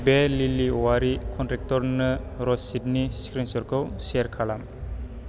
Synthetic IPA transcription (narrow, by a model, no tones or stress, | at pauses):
beliliwaɾikʰɔntɾɛk̚tɔɾnɯɾɔsid̚niskɾinsɔɾkʰɯwseɾkʰalam